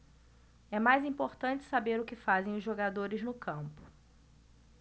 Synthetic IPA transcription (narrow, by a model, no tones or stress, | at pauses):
ɛmajzĩpoɾt̪ɐ̃nt͡ʃɪ̥sabeɾʊkɪfazẽj̃ʊzʒoɡad̪oɾɪznʊkɐ̃mpʊ̥